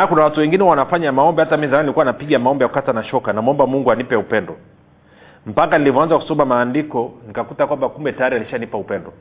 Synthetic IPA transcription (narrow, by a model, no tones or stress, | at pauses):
akunawatuwɛŋɡinɛwanafaɲamaɔmbɛhatamizamanilikuwanapiɠamaɔmbɛjaku̥katanaʃɔkanamuɔmbamuŋɡuanipɛupɛndɔ | m̩pakanilivɔanzaku̥sɔmamaːndikɔnikakutakwambakumbɛtajaɾialiʃanipaupɛndɔ